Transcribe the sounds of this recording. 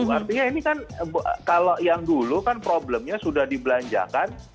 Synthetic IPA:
art̪iɲainikankalojaŋdulukanpɾoblɛmɲasudahdibəlaɲd͡ʒa̰kan

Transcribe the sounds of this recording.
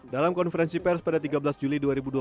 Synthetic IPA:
dalamkɔnfəɾɛnsipɛrspadat̪iɡabəlasd͡ʒuliduaɾibudua

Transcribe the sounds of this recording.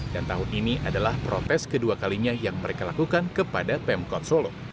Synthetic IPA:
dant̪aɦʊniniʔadalahpɾot̪ɛskəduakaliɲajaŋməɾekalakukankəpadapɛmkɔt̪̚solo

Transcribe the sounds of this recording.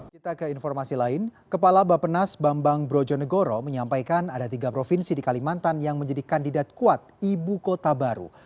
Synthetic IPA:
kit̪akəinfɔrmasilaɪnkəpalabapənasbambaŋbɾod͡ʒɔnəɡoɾoməɲampajkanadat̪iɡapɾofinsidikalimant̪anjaŋməɲd͡ʒadikandidat̪̚kuat̪̚ibukot̪abaɾṵ

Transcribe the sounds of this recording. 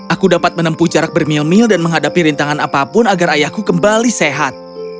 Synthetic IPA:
ʔakudapat̪̚mənəmpud͡ʒaɾak̚bərmilmɪldanməŋɦadapiɾint̪aŋanapapʊnaɡaɾajahkukəmbaliseɦat̪̚

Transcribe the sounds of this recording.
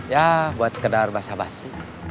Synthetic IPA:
jabuat̪̚sə̥kədarbasabasːi

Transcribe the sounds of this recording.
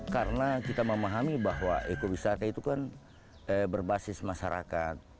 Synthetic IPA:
kaɾənakit̪aməmaɦamibaɦwa̰ʔekobisat̪ait̪ukan | əbərbasɪsmaʃaɾa̰ka̰t̪̚

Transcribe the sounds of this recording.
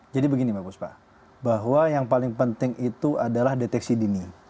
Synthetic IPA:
d͡ʒadibəɡinimapuspa̰ | baɦwajaŋpalɪŋpənt̪ɪŋʔit̪uʔadalahdet̪ɛksidini

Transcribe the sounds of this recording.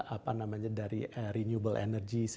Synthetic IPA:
ʔapanamaɲadaɾḭəɾinjubəlʔḛnərɡis

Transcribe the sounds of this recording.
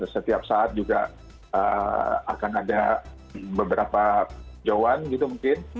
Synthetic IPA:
sət̪iap̚saat̪̚d͡ʒuɡa̰ | ʔə̰a̰kanada | bəbəɾapad͡ʒowanɡit̪umuŋkɪn

